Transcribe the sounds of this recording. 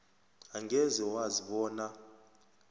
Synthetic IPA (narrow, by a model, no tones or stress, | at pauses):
aŋʱɛzɛwaziɓɔːna